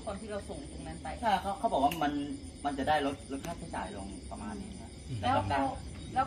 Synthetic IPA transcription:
kʰaː˧nt̪ʰiː˥˩ɾa˧wso˨˩ŋt̪o˨˧˩ŋmɛ˦˥npa˧jt͡ɕʰa˥˩kʰa˦˥wkʰa˦˥bɔː˨˩wa˥˩ma˧n | ma˧nt͡ɕa˨˩daː˥˩jɾo˦˥t̪̚lo˦˥t̪̚ʰaː˥˩k̪ʰaː˥˩t͡ɕa̰ː˨˩jlo˧ŋpa˧maː˧nːiː˦˧˩ŋi˦˥ɐ˨lɛː˦˧˦ɔ˥˧˩kaː˧˩w | lɛː˦˥

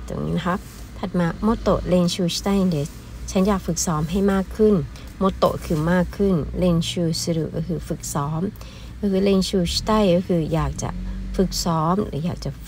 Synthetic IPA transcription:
t̪ṵ˨˧˩ŋḭː˧˥na˧˩kʰa˦˥p̚ | t̪ʰa˨˩t̪̚maː˧mo˧˥t̪ːo̰˨˩ʔle˧nsʰuː˧st̪a˥˩jʔi˧de˧˩ | t͡ɕʰa˦˥njaː˨˩k̚fɯ˨˩k̚sɔː˦˥mɦa˥˩jmaː˥˩kʰːɯ˥˩n | mo˧˥t̪ːo̰˨˩ʔkʰɯː˧˩maː˥˩kʰːɯ˥˩nle˧nsʰuː˧˩sa˧ɾu˨˩k̚ːɔ˥˩kʰɯː˧˩fɯ˨˩k̚sɔː˨˦˥m | kɔː˥˩kʰɯː˧le˧nsuː˧st̪a˥˩jkɔ˥˩kʰɯː˧jaː˨˩k̚t͡ɕa̰˨˩ʔfɯ˨˩k̚sɔː˨˦˥mlɯ̰˨˦jaː˨˩k̚t͡ɕa˨˩

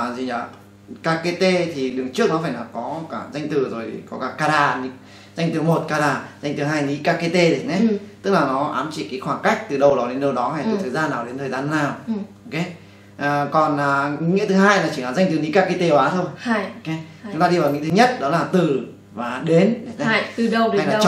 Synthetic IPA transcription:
zi˨˩aː˨˩ | kaː˧ke˧t̪e˧t̪ʰi˨˩ɗɨ˨˩əŋt͡ɕɨ˦˥ək̚nɔ˨˦faː˧˩jlaː˨˩wkɔ˨˦kaː˧˩za˧jŋ̟t̪ɨ˨˩zo˨˩jkɔ˨˦kaː˧˩kaː˧ɗaː˨˧˩ni˨˧˦ | za˧jŋ̟t̪ɨ˨˩mo˨˩t̚kaː˧ɗaː˧˩za˧jŋ̟t̪ɨ˨˦ɦaː˧jni˨˦kaː˧ke˧t̪e˧zi˨˩ne˨˦t̪ɨ˦˥k̚laː˨˩nɔ˨˦ʔa̰ː˨˦mt͡ɕi˧˩kaː˨˦jxwaː˧˩ŋka˦˥jk̟̚t̪ɨ˨˩ɗə˨˩wɗɔ˨˦ɗe˨˦nɗə˨˩wɗɔ˨˦haː˧˩jt̪ɨ˨˩˨t̪ʰəː˨˩jzaː˧nːaː˨˩wɗe˨˦nt̪ʰəː˨˩jzaː˧nː˧aː˨˩wo˧wke˨˦ | ʔəː˨˩kɔ˨˩naː˨˩ŋḭ˧˦ŋḭ˧˥ət̪ʰɨ˨˦ɦaː˧jlaː˨˩t͡ɕi˧˩˨laː˨˩za˧jŋ̟t̪ɨ˨˩ni˨˦kaː˧ke˧t̪e˧˨ʔaː˨˦t̪ʰo˧jke˨˦ʊ˦ŋ͡mt̪aː˧i˧vaː˨˩ŋḭ˧˥t̪ʰɨ˨˦ɲə˦˥t̚ɗɔ˨˦laː˨˩t̪ɨ˨˩ | vaː˨˩ɗe˨˦ne˨˦e˧˦˧ɨ˨˩ə˧˩˧a˧jlaː˨˧˨t͡ɕ

